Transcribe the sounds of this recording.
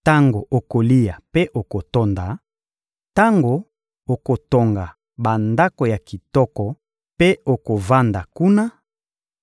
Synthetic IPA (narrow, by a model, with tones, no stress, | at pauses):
ta˦ŋɡo˨ʔo˨ko˨li˦ja˨pe˦ʔo˨ko˨to˦nda˨ | ta˦ŋɡo˨ | o˨ko˨to˨ŋɡa˨ | ba˨nda˦ko˨ja˨ki˨tɔ˦kɔ˨ | pe˦o˨ko˨va˦nda˨ku˦na˦